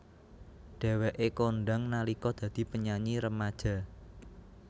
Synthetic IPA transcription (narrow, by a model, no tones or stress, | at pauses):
ɖ̥ɛ̤wɛʔekonɖa̤ŋnalikɔd̪̥ä̤d̪̥i̤pəɲaɲiɾəmad̥ʒ̥a̤